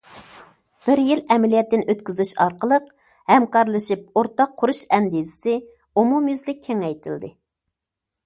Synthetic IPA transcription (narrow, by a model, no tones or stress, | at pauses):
b̥ɪɾjilɛmɪlijɛt̪ːɪnøt̪kʲyzyʃɑɾqəlˠəq | hɛmkɑɾlˠɨʃip̚oɾt̪ɑqʰːʊɾuʃɛnd̪izɪ̥sɪ | umumjyzlɪk̚ʲʰːeŋɛjt̪ʰɪld̪ɪ